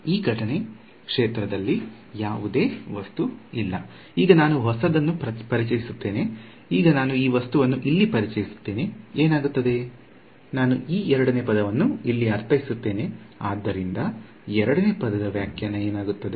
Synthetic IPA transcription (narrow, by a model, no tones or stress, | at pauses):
iːɡʱɐʈɐne̞ | kʂeːt̪ɾɐd̪ɐlːi | jaːʋud̪e̞ːʋɐst̪uilːɐ̰ | iːɡɐnaːnuɦɔsɐd̪ɐnːupɐɾit͡ʃɐjisut̪ːe̞ːne̞ | iːɡɐnaːnuiːʋɐst̪uʋɐnːuʔilːipɐɾit͡ʃɐjisu̥t̪ːe̞ːne̞eːnaːɡut̪ːɐd̪e̞ | naːnuʔiːɛɾɐɽɐneːpɐd̪ɐʋɐnːuilːiɐɾt̪ʰɐjisut̪ːe̞ːne̞ | a̰ːd̪ːɐɾind̪ɐ | ɛɾɐɽɐne̞ːpɐd̪ɐd̪ɐʋjaːkʰjɐnːɐeːnaːɡut̪ːɐd̪e̞